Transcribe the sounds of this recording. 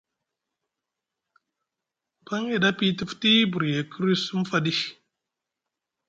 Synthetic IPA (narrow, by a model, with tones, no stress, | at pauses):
pa˦ŋe˨da˦pi˦tə˦fti˦bu˨ɾje˨kə˦ɾi˦su˦m˦fa˦di˦